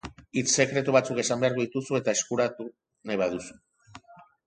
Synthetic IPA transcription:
it͡sse̞kɾe̞t̪uβ̞at͡suke̞sambe̞aɾɣuðit̪usue̞t̪ae̞skuɾat̪u | najβaðusu̥

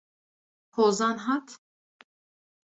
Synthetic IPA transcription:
kʰozanɦat̪ʰ

